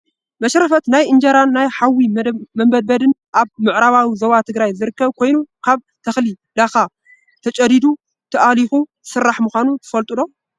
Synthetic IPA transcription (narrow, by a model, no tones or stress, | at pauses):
mɐʃɾɐfɐt̪najʔɨnd͡ʒɐɾanːajħawimɐmbɐd̪̚bɐd̪ɨnʔaβmɨʕɾaβawizoβat̪ʰɨɡɾajzɨɾɨkːɐβkʰo̞jnukʰaβ | t̪ʰɐxli | d̪axa | t̪ʰɐt͡ʃʼɐd̪id̪u | t̪ʰɐʔalixu | sɨrːaħmuxʷanut̪ʰɨ̥fɐlt̪ʼɨlo̞